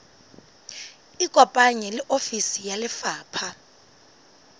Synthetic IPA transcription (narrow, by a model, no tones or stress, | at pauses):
ikʼwɔpʼaɲɛlɛʔofisijalɪfaːpʰa